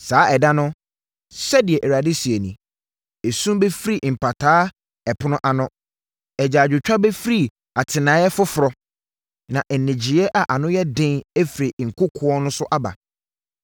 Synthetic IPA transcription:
saː˨˦ʔɛ˨dã˦nʊ̃˦ | sɛ˦dɪ˨ɛ˨ʔe˨ɾa˨dɪ˦si˨e˨nĩ˨ | e˨sũ˦mbe˦fɾi˦˨m̩˨pʰa˨tʰaː˦ | ɛ˨pʰʊ˦nʊ̃˦ʔa˨nʊ̃˦ | ɛ˨d͡ʑaː˨d͡ʑᶣʊ˨t͡ɕᶣa˦bɛ˦fɾi˦˨ | a˨tʰɪ˨nãː˨˦jɛ˦fʊ˦fʊ˨ɾɔ˨ | nã˨ʔn̩˨nɪ̃˨d͡ʑi˨ɛ˦ʔa˨ʔa˨nʊ̃˦jɛ˦dɪ̃˦ne˦fɾi˨ŋ̩˨kʰʊ˦kʰʊ˦ɔ˦nʊ̃˦sʊ˦ʔa˦ba̰˨

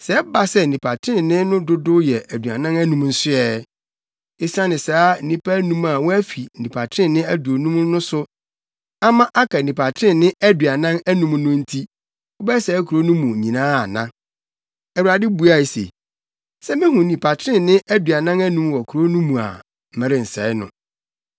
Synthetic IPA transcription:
sɛ˨˦ba˨sɛ˦˨nĩ˨pʰa˨tʰɾɪ̃˦˨nɪ̃˦nʊ̃˦dʊ˦dʊ˦jɛ˨ʔæ˨dɥa̰˨nã˦næ˦nũ˨˦mn̩˦sʊ˦ɛ˦ | e˦sã˦nɪ̃˨saː˨˦nĩ˦pʰæ˦nũ˦ma˨wɔ˦æ˦fi˨nĩ˨pʰa˨tʰɾɪ̃˦˨nɪ̃˦æ˦du˨o˨nũ˦m˦nʊ̃˦sʊ˦ | a˦mã˦ʔa˦kʰa˨nĩ˨pʰa˨tʰɾɪ̃˦˨nɪ̃˦æ˦dɥa˨nã˦næ˦nũ˦m˦nʊ̃˦n̩˦tʰi˦ | ʊ˦bɛ˦sɛ˨˦kʰu˨ɾo˦nũ˦mũ˨ɲĩ˨nãː˦a˨nã̰˦ | ɛ˨wu˨ɾa˨dɪ˦bu˦a˦˨e˨sḛ˨ | sɛ˦mɪ̃˦hũ˨nĩ˨pʰa˨tʰɾɪ̃˦nɪ̃˦ʔæ˦dɥa˨nã˦næ˦nũ˦mwɔ˨kʰu˨ɾo˦nũ˦mũ˨a̰˨ | m̩˨mɛ̃˦ɾɪ˨n̩˨sɛ˨˦ɪ˦nʊ̰̃˨

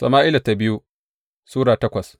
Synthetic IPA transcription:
sɐ̰˨maː˦ʔɪ˦la˨ta˨bɪ˦ju˦ | suː˦ɽaː˨tɐ˦kʷɐ˨s

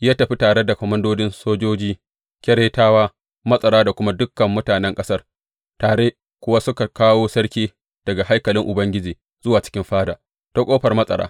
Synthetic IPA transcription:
jaː˦tɐ˨ɸi˦taː˨ɽe˦da˨kʷɔ˨mɐ˦ndoː˦d͡ʒɪ˦nsoː˦d͡ʒoː˦d͡ʒiː˦ | kʲɛ˦ɾeː˦taː˦waː˦ | mɐ˦sʼɐ˨ɾaː˦da˨kʷʊ˦ma˦dʊ˦kːɐ˨mːʊ˦taː˨nɛ˦ŋkʼɐ˦sɐ˦r | taː˨ɽe˦ | kʷʊ˦wa˦sʊ˦ka˨kaː˦woː˦sɐ˦ɽkʲiː˦ | d̥ɐ˨ɡa˨ha˦jkɐ˨lɪ˦ŋʔʊ˨bɐ˦ŋɡʲɪ˦d͡ʒiː˨ | zʊ˦waː˨t͡ʃɪ̥˦kʲɪ˦mɸaː˦daː˨ | ta˦kʷʼoː˦ɸɐ˨rmɐ˦sʼɐ̰˨ɾa̰ː˦

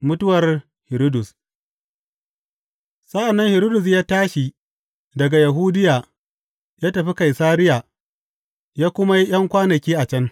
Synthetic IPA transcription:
mʊ˦tʊ˦wɐ˨r | hɪ˨ɾo˦dʊ˨s | sɐ˦ʔa˨nːɐ˦ŋhɪ˨ɾo˦dʊ˨s̬jaː˦taː˦ʃi˨ | dɐ˨ɡa˨ja˨ɦuː˦dɪ˦jaː˨ | jaː˦tɐ˨ɸi˦ka˨jsaː˦ɾɪ˦jaː˨ | jaː˦kʷʊ˦ma˦ji˦ʔj̰ɐ˦ŋkʷaː˦nɐ˨kʲiː˦ʔa˨t͡ʃɐ˦ŋ

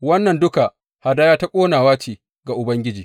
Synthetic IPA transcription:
wɐ˦nːɐ˨ndʊ˦ka˨ | ha˨daː˦jaː˦ta˦kʷʼoː˦naː˨waː˦t͡ʃeː˨ | ɡa˨ʔʊ˨bɐ˦ŋɡʲɪ˦d͡ʒiː˨

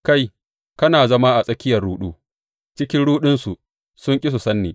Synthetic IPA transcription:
ka˦˨j | kɐ˦naː˨zɐ˦ma˦ʔa˨sʼɐ˦kʲɪ˦jɐ˨rɽuː˦ɗuː˦ | t͡ʃɪ˦kʲɪ˦nɽuː˦ɗɪ˦nsu˨ | sʊ˦ŋkʲʼɪ˦s̬u˨sɐ˦nːiː˨

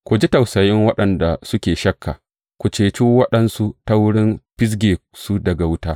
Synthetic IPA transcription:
kʷʊ˨d͡ʒi˦tɐ˨wsɐ˨jɪ˦ŋwɐ˦ɗɐ˨nda˨sʊ˦kʲeː˨ʃɐ˦kʰːa̰ː˨ | kʷu˨t͡ʃeː˨t͡ʃuː˦wɐ˦ɗɐ˦nsu˦ta˦wʊ˦ɽɪ˦nɸɪ˦s̬ɡʲeː˨su˦dɐ˨ɡa˨wʊ˦taː˦

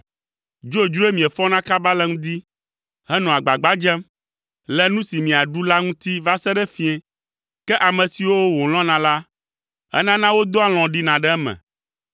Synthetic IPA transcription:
d͡ʒo˦e˨d͡ʒu˦e˦mĩ˨ɛ˨fɔ˦nã˦ka˦ba˦lɛ˦ŋũ˦d̪i˦ | ɦɛ˦nɔ̃˨a˨ɡ͡ba˨ɡ͡ba˦d͡ʒɛ˦m | lɛ˦nũ˦si˨mĩ˨a˨ɖu˦la˦ŋũ˦t̪i˦va˦sɛ˦ɖɛ˦fĩ˦ɛ̃˨ | kɛ˦ʔa˨mɛ̃˨si˨wo˦wõ˨l̃ɔ̃˦nã˨la˦ | ɛ̰˦nã˦nã˦wo˦d̪o˦a˦˨l̃ɔ̃˨ɖi˦nã˨ɖɛ˦ɛ˦mɛ̰̃˨

